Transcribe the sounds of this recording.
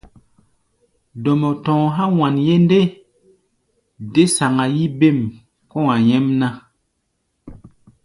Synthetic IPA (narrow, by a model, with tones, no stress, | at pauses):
dɔ˨mɔ˨tɔ̃˨ɦa˦wa˨nje˦nde˦ | de˦sa˨ŋa˨ji˦be˦˨m | kɔ̃˦ŋa˨jɛ˦mna˦